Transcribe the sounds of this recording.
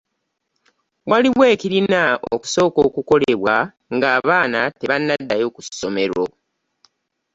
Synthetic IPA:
waliwe̞ːciɾinao̰ku̥so̞ːko̞ːkuko̞le̞βwa | ŋɡaːβaːnate̞βanːadːajo̞ːkuso̞me̞ɾo̰

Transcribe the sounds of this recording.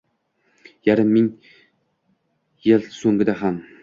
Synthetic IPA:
jaɾɪmːɪŋ | jɪlˠsoŋɡʲɪd̪aɦam

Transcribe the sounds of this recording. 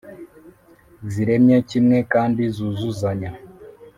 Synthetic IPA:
ziɾemjacimŋekaːndizuzuzaɲa

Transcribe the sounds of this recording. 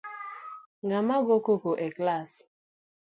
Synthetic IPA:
ŋɡamaɡokokoʔɛklas

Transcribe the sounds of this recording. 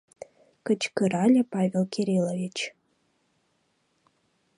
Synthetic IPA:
kə̆t͡ɕkɨɾɑlʲĕpɑvʲelˠkʲʰeɾʲilˠovʲit͡ɕ

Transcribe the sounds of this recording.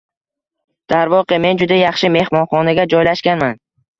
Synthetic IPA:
d̪̥aɾvɒqɪme̞nd͡ʒʊd̪ajɑχʃɪme̞hmɒnχɒnaɡʲad͡ʒɒjlaʃkʲanman

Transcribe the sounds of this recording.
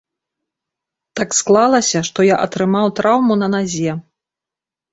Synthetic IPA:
t̪aksklˠalˠɐsʲɐʂt̪ɔjaʔɐt̪ɾɨmawt̪ɾawmunɐnazʲɛ

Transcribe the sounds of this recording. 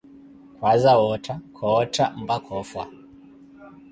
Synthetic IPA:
kwazawɔtʰakʰɔːtam̩bakʰɔfwa̰

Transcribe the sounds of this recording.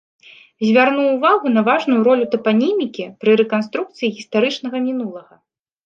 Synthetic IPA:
zʲvʲarnuːvaɣunɐvaʐnujuɾɔlʲut̪ɐpanʲimʲikʲipɾɨɾɛkanst̪ɾuk̚t̪sɨjiɣʲist̪aɾɨt͡ʂn̪ɐɣɐmʲinulˠɐɣɐ

